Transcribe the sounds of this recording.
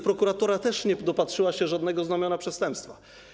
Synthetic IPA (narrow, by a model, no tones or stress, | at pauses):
pɾɔkuɾat̪ɔɾat̪ɛʂɲɛd̪ɔpatʂɘwaɕɛʐad̪nɛɡɔznamjɔnapʂɛst̪ɛmpst̪fa